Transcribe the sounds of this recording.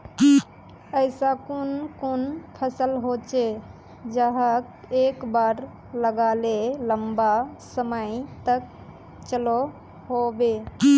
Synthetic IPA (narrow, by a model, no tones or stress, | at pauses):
əɪsakunkonpʰəsəlɦot͡ʃe | d͡ʒəɦək | ekbaɾ | ləɡaleləmbasəməjt̪ək̚ | t͡ʃəlo | ɦobe